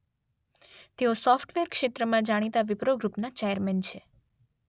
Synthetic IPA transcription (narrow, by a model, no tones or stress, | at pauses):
t̪eosɔfʈʋeɾkʃet̪ɾəmãd͡ʒaɽ̃it̪aʋɪpɾoɡɾupnat͡ʃejəɾment͡ʃʰe